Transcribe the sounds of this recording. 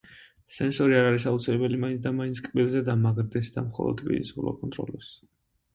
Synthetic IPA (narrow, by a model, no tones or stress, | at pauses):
sɛnsɔɾiaɾaɾisaut̪sʰilɛbɛlimainsd̪amaint̪sʰkʼbilˠzɛd̪amaɡɾd̪ɛsd̪amχɔ̰lˠɔ̰d̪kʼḭlḭsʁula̰kʼɔnt̪ʼɾɔ̰lɛs